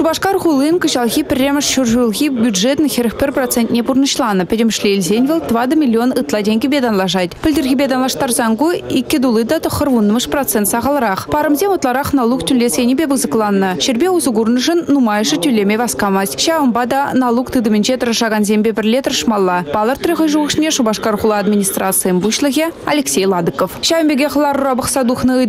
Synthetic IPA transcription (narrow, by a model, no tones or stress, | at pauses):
ʃubɑʃqɑɾχulˠiŋkəʒɑlˠʁʲipʲɪrʲːemɪʃʃurʒulˠɣʲibʲjud̪ʒet̪ənxʲeɾʲɪk̚pɪɾprot̪sent̪ʲnebuɾnəʃlˠɑnəpʲɪd̪ʲɪmɪʃlʲeilʲzenʲvʲelˠd̪vɑd̪əmʲilʲːionɯt̪lˠɑt̪ʲeŋɡʲebʲed̪ɑnlˠɑʃ̬ɑd̪pʲɪlʲd̪ɪɾɣʲibed̪ɑnlˠɑʃt̪ɑɾzɑŋɡuikʲːɪd̪ulˠəjd̪ɑt̪ʰəχəɾwonəməʂprot̪sent̪sɑʁɑlˠəɾɑqpʰɑɾəmzʲemwot̪əlˠɑɾɑqnɑlˠukt̪ʰʏlʲːesenʲibʲebɪzəklˠɑnːəʃɪɾbewʊzəɡuɾənʊʃənːumɑjʃət̪ʰʏlʲemʲejbɑsqɑmɑsʲʃɑwəmbɑd̪ɑnɑlˠukt̪ɨd̪əmʲɪnʃet̪əɾəʃɑʁɑnzembʲebɪɾlet̪əɾʃmɑlˠːɑb̥ɑlˠəɾt̪ʰɾəʁəjʒuʃɪnʲeʃubɑʃqɑɾχʊlˠəad̪mʲinʲist̪rat̪sɨjəmbuʃlˠəɣʲea̰lʲeksʲejlˠɑd̪ɨkofʃæwmbʲeɡʲeχəlˠɑɾuɾɑbəχsɑd̪uχnəə